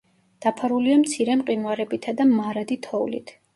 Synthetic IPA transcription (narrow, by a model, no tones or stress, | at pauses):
d̪̥apʰaɾuliamt̪sʰiɾɛmqʼimwaɾɛbit̪ʰad̪amaɾad̪it̪ʰɔulḭt̪ʰ